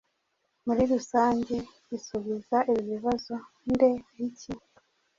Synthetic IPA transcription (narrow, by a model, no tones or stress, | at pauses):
muɾiɾusaːɲɟe̞ | isuβizaʔiβoβiβazo̞ | nde̞jici